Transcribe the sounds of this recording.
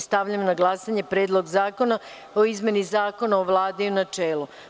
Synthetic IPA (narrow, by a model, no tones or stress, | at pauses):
st̪aʋʎamnaɡlˠasaɲe̞pɾeːd̪lˠo̞ɡzaːko̞na | oizme̞nizaːko̞naoʋlˠaːd̪eunat͡ʃeːlˠu